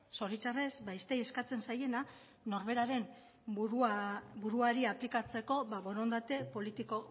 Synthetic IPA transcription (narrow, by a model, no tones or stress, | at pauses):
so̞ɾit͡ʃare̞sbajst̪eje̞skat͡se̞nsaje̞na | no̞ɾβe̞ɾaɾe̞n | uɾubuɾuaɾiaplikat͡se̞ko̞βaβo̞ɾond̪at̪e̞po̞lit̪iko̞